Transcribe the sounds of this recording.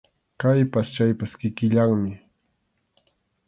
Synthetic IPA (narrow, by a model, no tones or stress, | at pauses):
kajpast͡ʃajpaskɪkɪʎaŋmɪ